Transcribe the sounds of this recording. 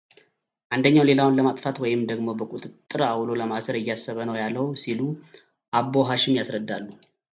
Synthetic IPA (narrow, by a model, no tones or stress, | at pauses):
ʔand̪əɲːawle̞lawʊnləmat̪ʼfat̪wɔjɪmd̪əɡmo̞bəkʷʼut̪ʼɨt̪ʼːɨɾawlo̞ləmasəɾɨjːasːəβənəwjalːəwsilu | ʔabːo̞ɦaʃɪmjasɾəd̪ːalːu